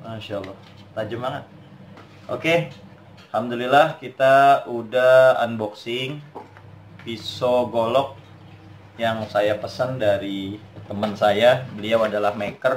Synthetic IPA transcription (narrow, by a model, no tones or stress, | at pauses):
maʃalˠːɔh | t̪ad͡ʒəmaŋət̪̚ | ʔo̰ke | hamdulilahkit̪auda̰ːnbɔksɪŋ | pisoɡolɔk̚ | jaŋsajapəsəndaɾit̪əmənsajabəliawadalahmekər